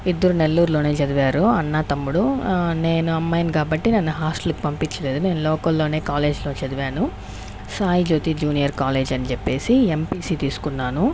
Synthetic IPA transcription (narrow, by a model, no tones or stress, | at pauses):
id̪ːɐɾune̞lːuːɾulo̞ːne̞ːt͡ʃɐd̪uʋaːɾuɐnːaːt̪ɐmːuɽune̞ːnuɐmːɐjɐnkaːbɐʈːinɐnːuɦaːsʈɐluki̥pɐmpiɲt͡ʃːɐle̞ːd̪une̞ːnulɔːkɐlːo̞ːne̞ːkaːle̞ːd͡ʒlo̞ːt͡ʃɐd̪uʋaːnu | saːjid͡ʒoːt̪iːd͡ʒuːnijɐɾkaːle̞ːd͡ʒɐnit͡ʃɛpːe̞ːsiempiːsiːt̪iːsu̥kunːaːnu